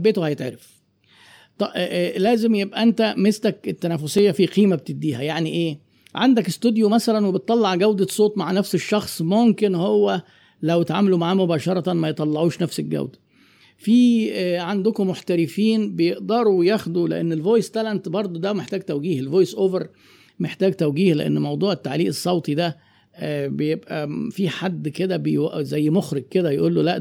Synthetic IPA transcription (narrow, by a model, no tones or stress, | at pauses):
bːeːt̪ohæjet̪ʕeɾef | t̪ˤɑlæːzemjebʔæʔænt̪æmest̪æket̪ːænæfːosejːæfiqiːmæb̚t̪ed̪ːiːhæjaʕniʔeː | ʕand̪ækest̪ud̪jomæsælænwebet̪ˤːɑlːɑʕɡæwd̪æsˤoːt̪ˤmaʕnæfseʃːɑxsˤmomkenhowːæ | læwet̪ʕa̰ːmælumaʕaːmobæːʃɑɾˤɑt̪mæjet̪ˤːɑlːɑʕuːʃnæfsælɡæ̰wd̪æ̥ | fiːʕand̪ʊkomːoħt̪æɾɪfiːnbejeʔd̪ɑɾˤuwjæxd̪ulḛʔḛnːelvojst̪ælænt̪bɑɾˤd̪ˤod̪æwmeħt̪æːɡt̪æwɡiːhelvojsʔoːveɾ | meħt̪æːɡt̪æwɡiːhleʔḛnːmɑwd̪ˤuːʕet̪ːaʕliːʔesˤːɑwt̪ˤid̪æ | bejebʔæfiħad̪ːked̪æbejæʔzæjːmoxɾɪɡ̚ked̪æjeʔuːlːolæʔ